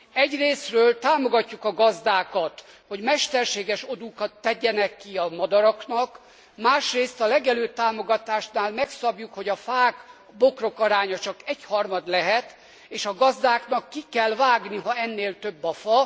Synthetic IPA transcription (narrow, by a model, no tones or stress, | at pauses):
ɛɟreːsrøːlt̪aːmo̞ɡɒcːukɒɡɒzd̪aːkɒt̪ | ho̞ɟmɛʃt̪ɛrʃeːɡɛʃo̞d̪ukɒt̪ːɛɟːɛnɛkːiɒmɒd̪ɒɾɒknɒk | maːʃreːst̪ɒlɛɡɛløːt̪ːaːmo̞ɡɒt̪aːʃnaːlmɛksɒbjukho̞ɟɒfaːɡ | bo̞kro̞kɒɾaːɲɒt͡ʃɒkɛchɒrmɒd̪lɛɦɛt̪ | eːʃɒɡɒzd̪aːknɒkːikɛlvaːɡniɦɒɛnːeːlt̪øbːɒfɒ